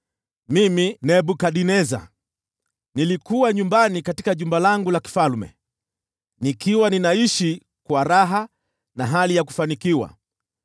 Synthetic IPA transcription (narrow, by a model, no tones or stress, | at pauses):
miminɛɓukaɗinɛza̰ | nilikuwaɲumbanikatikaʄumbalaŋɡulaki̥falmɛ̰ | nikiwaninaiʃi | kwaɾaɦa | naɦalijaku̥fanikiwa̰